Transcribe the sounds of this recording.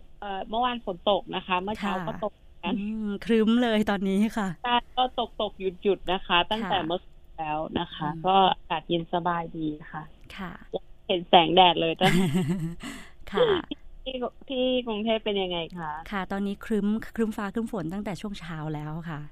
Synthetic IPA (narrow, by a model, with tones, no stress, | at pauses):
ʔɤː˨˩mɯ˥˩ɐwaː˧nfo˩˦nt̪o˨˩k̚na˦˥kʰa˦˥mɯ˥˩kʰaː˦˥wɔː˥t̪o˨˩k̚ja˦˥n˧˩kʰɾɯ˦˥mlɤː˧jt̪ɔː˧nːiː˦˥kʰa˥˩t͡ɕa˥˩jkɔː˥˩t̪o˨˩k̚t̪o˨˩k̚ju˨˩t̪̚ju˨˩t̪̚na˦˥kʰa˦˥t̪a˥˩ŋt̪ɛː˨˩mɯ˥˩əkːlɛː˦˥wna˦˥kʰa˦˥kɔː˥˩ʔa˧kaː˨˩t̪̚ji˧nsa˧baː˧jdiː˧kʰa˥˩kʰa˥˩lɛː˦˥˩he˩˦nsɛː˩˦ŋdɛː˨˩t̪̚lɤː˧jt̪a˥˩ | kʰa˧˩˥ | t̪ʰiː˥˩kɾu˧ŋt̪ʰeː˥˩pːe˧nja˧ŋːa˧jkʰa˥˩kʰa˥˩t̪ɔː˧nːiː˦˥kʰɾɯ˦˥mkʰɾɯ˦˥mfaː˦˥kʰɾɯ˦˥mfo˩˦nt̪a˥˩ŋt̪ɛː˨˩t͡ɕʰu˥˩əŋt͡ɕʰaː˦˥wlɛː˦˥wkʰa˥˩ʔ